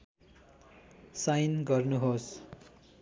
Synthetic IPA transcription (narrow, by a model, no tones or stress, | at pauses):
sajnɡʌrnuɦos